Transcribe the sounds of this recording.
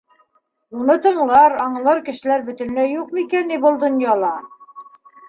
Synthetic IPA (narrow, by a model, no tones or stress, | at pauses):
unɤt̪ɤ̆ɴlˠɑɾɑɴlˠɤɾkɘ̆ʃɘ̆læɾbɵ̆t̪ɘ̆n̆læjuq̚mikænibɤlˠd̪ŏnjɑlˠɑ